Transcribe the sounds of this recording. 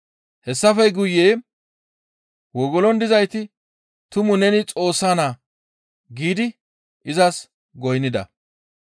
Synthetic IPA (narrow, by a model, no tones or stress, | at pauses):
hɛsːɐfɛjɡʊjːeː | wɔɡɔlɔnd̪ɪzɐjt̪ɪ | t̪ʊmʊnɛnɪt͡sʼo̞ːsːaːnaː | ɡiːd̪ɪ | ʔɪzɐs | ɡɔjnːɪd̪ɐ̰